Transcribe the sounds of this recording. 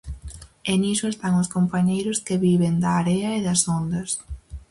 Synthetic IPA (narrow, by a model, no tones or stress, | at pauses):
enisʊest̪aŋʊskompaɲejɾʊskeβiβend̪ɐːɾeɐeðɐsond̪ɐs